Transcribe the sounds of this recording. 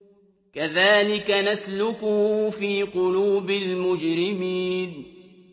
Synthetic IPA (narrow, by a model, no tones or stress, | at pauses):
kaðaːlɪkanaslʊkʊhfiːqʊluːbɪlmʊd͡ʒɾɪmiːn